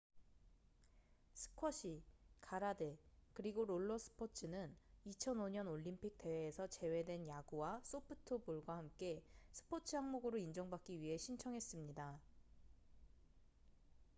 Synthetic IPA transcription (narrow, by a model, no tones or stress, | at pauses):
sʰɯ̥kʰʌɕʰikʰaɾade̞kɯɾiɡoɾoɭːʌsʰɯ̥pʰot͡ɕʰɯnɯnit͡ɕʰʌnoɲʌnoʎːimpʰik̚t͈e̞weːsʰʌt͡ɕe̞we̞dwe̞njaɡuwas͈opʰɯtʰɯbuɭɡwahamk͈e̞sʰɯ̥pʰot͡ɕʰɯɦaŋmoɡɯɾoind͡ʑʌŋbak͈̚iɥiɦe̞ɕʰint͡ɕʰʌŋɦe̞s͈ɯmɲida